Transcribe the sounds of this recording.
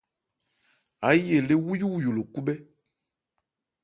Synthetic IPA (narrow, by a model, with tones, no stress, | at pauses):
a˨˦je˨le˦wu˦ju˦˨jo˨lo˨ku˦bɛ˦